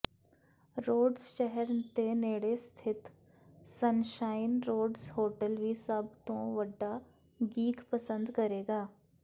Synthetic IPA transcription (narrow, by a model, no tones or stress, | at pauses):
ɾoːɖsʃɛɦɛɾt̪eneːɽest̪ʰɪt̪ | sənʃaːɪnɾoːɖshoːʈəlʋʱisəbt̪õʋɐɖːa | ɡiːkpəsə̃nd̪kɐɾeːɡaː